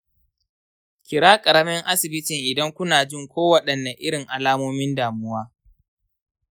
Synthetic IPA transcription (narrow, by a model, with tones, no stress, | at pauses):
kʲɪ˨ɾaː˦kʼɐ˨ɽɐ˦mɛ˦ŋʔa˦sɪ˨bɪ˦tɪ˨ŋʔɪ˨dɐ˦ŋkʷʊ˦naː˨d͡ʒɪ˦ŋkʷoː˦wɐ˦ɗɐ˨nːa˨ʔɪ˦ɽɪ˨ŋʔa˨laː˦moː˦mɪ˦ndaː˨mʊ˦waː˦